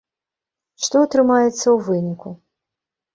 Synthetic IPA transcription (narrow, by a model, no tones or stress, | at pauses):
ʂt̪ɔɐt̪ɾɨmajɛt̪sːɐwvɨnʲiku